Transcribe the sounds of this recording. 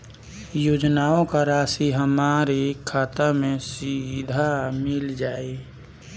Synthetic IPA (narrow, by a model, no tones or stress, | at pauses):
joːd͡ʒnaːõkaɾaːsiɦəmaːɾikʰaːt̪amẽsid̪ʱamɪld͡ʒaːe